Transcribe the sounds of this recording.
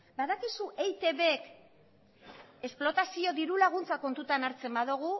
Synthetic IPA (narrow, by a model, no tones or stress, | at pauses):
baðakisuʔejt̪e̞βek | e̞splo̞t̪asio̞ðiɾulaɣ̞unt͡sako̞nt̪ut̪anaɾt͡se̞mbaðuɣ̞u